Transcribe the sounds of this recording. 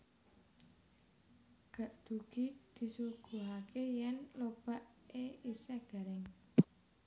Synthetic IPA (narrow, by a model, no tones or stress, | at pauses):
ɡ̥a̤ʔd̪̥ṳɡ̥id̪̥i̤suɡ̥ṳɦakejɛnlob̥aʔeisɛɡ̥a̤ɾɪŋ